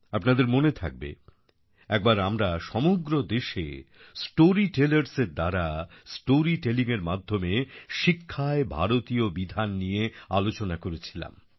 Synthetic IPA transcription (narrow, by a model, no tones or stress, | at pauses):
apnad̪eɾmonet̪ʰa̰k̚bḛ | ɛk̚baɾamɾaʃɔmoɡɾod̪eʃḛ | sʈoɾiʈelaɾseɾd̪aɾasʈoɾiʈeliŋeɾmad̪ʱːomeʃikʰːaebʱa̰ɾot̪iobid̪ʱanːijealot͡ɕonakoɾet͡ɕʰila̰m